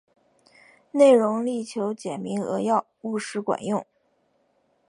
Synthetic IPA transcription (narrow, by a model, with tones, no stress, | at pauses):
ne˥˩ɪɻʊ˧˥ŋli˥˩t͡ɕʰjo˧˥ʊt͡ɕjɛ˨˩nmi˧˥ŋɤ̰˧˥jɑ˥˧ʊu˥˩ʂɻ̩˧˥kwa̰˨˩˦njʊ˥˩ŋ